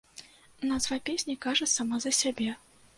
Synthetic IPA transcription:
nazvapʲesʲnʲikaʐɐsamazɐsʲabʲɛ

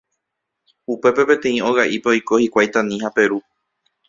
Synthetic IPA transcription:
upe̞pe̞pẽ̞t̪ẽ̞ĩo̞ɣaʔipeojko̞hikʷajt̪ãnĩhape̞ɾu

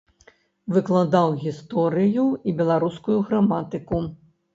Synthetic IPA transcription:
vɨklˠad̪awɣʲist̪ɔɾɨjuibʲɛlˠaɾuskujuɣɾamat̪ɨku

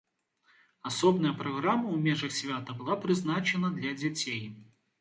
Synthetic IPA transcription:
asɔbnɐjəpɾɐɣɾamːɐumʲɛʐɐxsʲvʲat̪əbɨlˠapɾɨznat͡ʃɛnɐd̪lʲɐd͡zʲat͡sʲej

